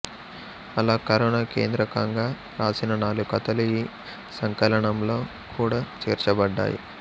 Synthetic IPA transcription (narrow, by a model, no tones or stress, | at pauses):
ɐlaːkɐɾɐɳaːke̞ːnd̪ɾɐkɐŋɡaː | ɾaːsinɐnaːlukɐt̪ɐlui | sɐŋkɐlɐɳɐmlo̞ː | kʰuːɽaːt͡ʃɛːɾt͡ʃɐbɐɖːa̰ːjḭ